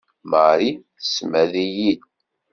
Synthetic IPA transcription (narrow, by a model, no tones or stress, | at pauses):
məɾi | smæðijid̪